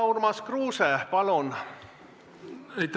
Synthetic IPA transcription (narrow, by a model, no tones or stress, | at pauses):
wrmɑskruːsepɑlon | ejt̪